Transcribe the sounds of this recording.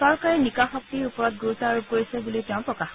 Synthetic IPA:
sɔɹkaɹinikaxɔk̚tiɹupɔɹɔt̚ɡuɹutaɹukoɹisɛbuliteʊ̃pɹɔkax

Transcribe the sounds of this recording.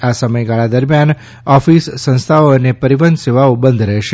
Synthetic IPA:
asəməjɡaɭad̪əɾmjan | ɔfisːə̃ñst̪ʰaoənepəɾiʋənd̪seʋaobənd̪ʱɾɛʃe

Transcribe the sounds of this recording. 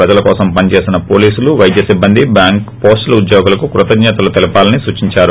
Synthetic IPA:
ɐd͡ʒɐlɐkɔːsɐmpɐnt͡ʃe̞ːsinɐpoːliːsuluʋɐjd̪ʱjɐsibːɐnd̪ibjaːŋkpoːsʈɐlɐud̪joːɡulɐkukɾut̪ɐd͡ʒɲɛːt̪ɐlut̪elipaːlɐnisuːt͡ʃiɲt͡ʃaːɾu

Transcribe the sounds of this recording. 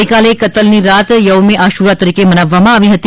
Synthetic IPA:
jkalekət̪əlniɾat̪jəʋmeʔaʃuɾat̪əɾikemənaʋːamãaːʋiɦət̪i

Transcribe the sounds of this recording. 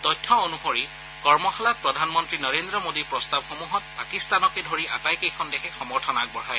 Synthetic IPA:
tɔjtʰːɔonuxoɹi | kɔɹmɔxalat̚pɹɔdʱanmɔntɹinɔɹendɹɔmodiɹpɹɔstabxomuɦɔt̚pakistanɔkedʱoɹiʔa̰tajkejkʰɔndɛkʰɛxɔmɔɹtʰɔnak̚bɔɹaj

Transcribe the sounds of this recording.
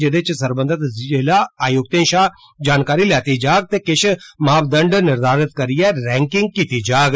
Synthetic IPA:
d͡ʒeɽet͡ʃsɐɾbənd̪ət̪ɪlaaːjoɡ̚t̪ẽːnʃaː | d͡ʒaːnkaːɾilɛːt̪id͡ʒaːɡ̚t̪ekɪʃmaːbd̪ə̃ɳɖnɪɾd̪aːɾɪt̪̚kɐɾijɛɾɛ̃ːŋkɪ̃ŋɡ̚kit̪id͡ʒaːɡ

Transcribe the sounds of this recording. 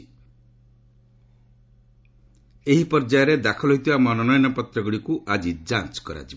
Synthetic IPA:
eɦipɔɾd͡ʒajɔɾed̪akʰɔlɔɦit̪ibamɔnɔnɔjɔnɔpɔt̪ɾɔɡuɽikuʔad͡ʒid͡ʒant͡ʃkɔɾa̰t͡ʃi

